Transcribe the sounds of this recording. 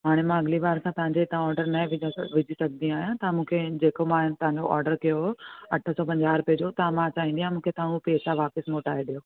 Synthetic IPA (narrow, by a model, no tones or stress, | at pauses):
ɦaːɽ̃emãɐɡɪliʋaːɾsãt̪ɐɦãɲd͡ʑet̪ãɔːɾɖəɾnɐʋɪʋɪd͡ʑʱisɐɡ̚nĩaːɦjãt̪ɐãmũːkʰed͡ʑeːkomãːɦɪnɪt̪ɐʋãɲd͡ʑoʔɔ̰ːɾɖəɾkijoɦɐʈʰəsɔːpɐ̃ɲd͡ʑaːɾpeɦd͡ʑot̪ɐãmãt͡ɕaːɦĩnd̪iãmũːkʰet̪ãːũpeːsaʋaːpəsmoːʈaːɦeɗijoː